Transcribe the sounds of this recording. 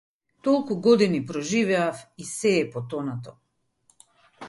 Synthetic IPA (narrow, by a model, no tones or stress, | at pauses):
t̪ɔlˠkuɡɔd̪inipɾɔʒivɛafisɛːpɔt̪ɔnat̪ɔ